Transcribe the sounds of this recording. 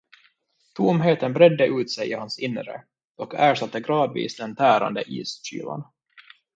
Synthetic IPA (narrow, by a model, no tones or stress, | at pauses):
t̪ʰumɦeːt̪ənbɾɛd̪ːəʔʉ̟ːt̪sɛjʔɪhansɪnːɾə̰ | ɔkʰæːʂat̪ːəɡɾɑːd̪vḭːsd̪ɛnt̪ʰæːɾa̰nd̪əʔiːsɕy̰ːla̰n